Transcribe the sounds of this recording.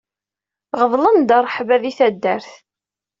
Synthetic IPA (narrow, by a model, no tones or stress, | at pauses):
ʁəðˤlənd̪ɑrˤːħvæðiθæd̪ːəɾθ